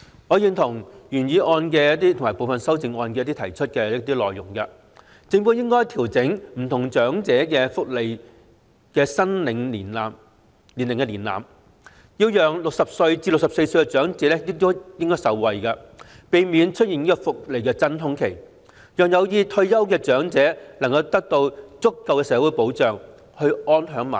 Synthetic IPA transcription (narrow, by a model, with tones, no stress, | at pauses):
ŋɔː˨˧jiː˧nt̪ʰʊ˨˩ŋjyː˨˩njiː˨˧ʔɔː˧nk̬ɛː˧jɐ˥tt̪iː˥t̪ʰŋmaː˨˩jpo˨˧wfɐ˨nsɐ˥wt͡sɪ˧ŋɔː˧nkɛː˧jɐ˥t̪iː˥t̪ʰɐ˨˩jt͡ʃʰɵ˥t̚kɛː˧ɐ˥t̪iː˥lɔː˨˩jjʊ˨˩ŋkɐ˧ | t͡sɪ˧ŋpu˨˥wjɪ˥ŋkɔː˥jt̪ʰiː˨˩wt͡sɪ˨˥ŋm̩˨˩t̪ʰʊ˨˩ŋt͡ʃœː˨˥ŋt͡sɛː˨˥kɛ˧fʊ˥k̚le˨j | kɛː˧sɐ˥nlɪ˨˧ŋliː˨˩nlaː˨m | li˨˩nlɪ˨˩ŋkɛ˧liː˨˩nla̰ː˨m | jiː˧wjœː˨˩ŋlʊ˨k̚sɐ˨p̚sɵ˧ɥt͡siː˧lʊ˨k̚sɐ˨p̚se˧jsɵ˧jkɛ˧t͡ʃœː˨˥ŋt͡sɛː˨˥lɛ˥jɪ˥k̚t̪o˥jɪ˥ŋkɔː˥jsɐ˨˧wwɐ˨jkɐ˧ | pe˨˧jmiː˨˧nt͡ʃʰɵ˥t̚i˨ni˥kɔ˧fʊ˨k̚le˨jkɛː˧t͡sɐ˥nɦʊ˥ŋkʰe˨˩j | jœː˨ŋjɐ˨˧wjiː˧t̪ʰɵ˧ɥjɐ˥wkɛː˧t͡ʃœː˨˥ŋt͡sɛː˨˥lɐ˨˩ŋkɐ˧wt̪ɐ˥k̚t̪o˧wt͡sʊ˥kːɐ˨˧wkɛː˧sɛː˨˥wu˨˧˥jpo˨˥wt͡sœː˨ŋ | hɵ˧ɥɔː˥nɦœː˨˥ŋma̰ː˨˩